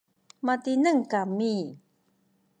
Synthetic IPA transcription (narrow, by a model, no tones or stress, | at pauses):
matinəŋkami